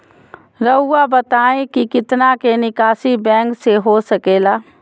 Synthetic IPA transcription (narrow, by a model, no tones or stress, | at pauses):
ɾəʊːabɐt̪aːẽkikɪt̪nakenɪkaːsibɛ̃ːŋkseɦosɐkeːlaː